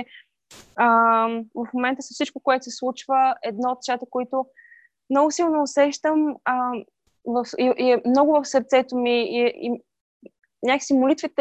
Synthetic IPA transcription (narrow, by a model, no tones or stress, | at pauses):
əvɐfmomɛnt̪əsəfsit͡ʃkokoɛt̪ʊsɛslˠut͡ʃvəɛd̪nɔot̪ʃat̪əkoit̪ʊ | mnɔɡʊsilˠnonɐʊsɛʃt̪əmə | vəfiʔiɛmnɔɡʊvəfsəɾt̪sɛt̪omiii | nʲaki̥simolit̪vit̪